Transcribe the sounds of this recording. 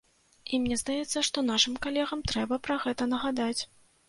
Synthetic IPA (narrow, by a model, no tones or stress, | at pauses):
imnʲɛzd̪ajɛt̪sːɐʂt̪ɔnaʂɨmkalʲɛɣɐmt̪ɾɛbɐpɾɐɣɛt̪ɐnɐɣad̪at͡sʲ